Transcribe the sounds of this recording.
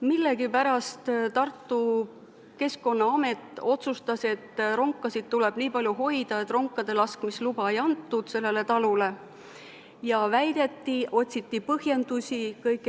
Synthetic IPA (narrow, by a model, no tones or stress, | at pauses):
milːe̞ɡipæɾɑst̪t̪ɑrt̪ːu | ke̞sko̞nːɑɑme̞t̪ːˑo̞t̪sust̪ɑse̞t̪ːˑro̞ŋkːˑɑsid̪̥̚t̪ule̞b̥niːpɑlʲjuɦo̞jd̪̥ɑe̞t̪ːˑro̞ŋkˑːɑd̪̥e̞lɑskmislub̥ɑe̞jɑnt̪ːud̪̥se̞lːe̞le̞t̪ɑlule̞ | jɑvæjd̪̥e̞t̪ːiʔo̞t̪ʲsit̪ːipɤhje̞nd̪̥usʲikɤjkːˑ